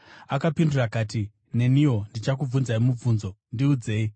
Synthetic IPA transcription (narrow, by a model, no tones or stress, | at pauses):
akapindurakaːti | ne̞niwo̞ndit͡ʃak̬ub͡vunzaimub͡vuːnzo̞ndiud͡ze̞ːi